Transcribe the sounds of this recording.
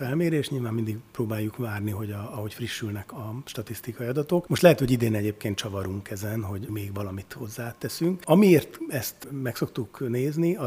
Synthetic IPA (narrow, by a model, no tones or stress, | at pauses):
fɛlmeːɾeːʃɲilvaːmːind̪iɡproːbaːjːukvaːrniɦo̞ɟɒɒɦo̞cfriʃːylnɛkɒʃt̪ɒt̪ist̪ikɒiɒd̪ɒt̪okmo̞ʃt̪lɛɦɛt̪ho̞ɟid̪eːnɛɟeːp̚keːnt̪t͡ʃɒvɒɾuŋkɛzɛnɦo̞ɟmeːɡvɒlɒmit̪ho̞zːaːt̪ːɛsyŋkɒmieːrt̪ɛst̪mɛkso̞kt̪ukneːzniɒ